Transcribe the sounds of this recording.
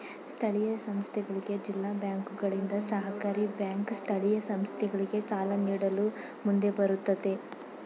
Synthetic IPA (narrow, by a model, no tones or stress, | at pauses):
st̪ʰɐɭijɐsɐmst̪ʰɛɡɐɭiɡe̞d͡ʒilːaːbjaːŋkuɡɐɭind̪ɐsɐɦɐkaːɾibjaːŋkst̪ʰɐɭijɐsɐmst̪ʰɛɡɐɭiɡe̞saːlɐniːɽɐlu | mund̪e̞bɐɾut̪ːɐd̪e̞